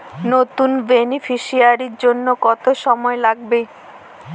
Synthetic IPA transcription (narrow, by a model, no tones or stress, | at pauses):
not̪unbenifʰiʃiaɾiɾd͡ʑonːokɔt̪oʃɔmɔelaɡbe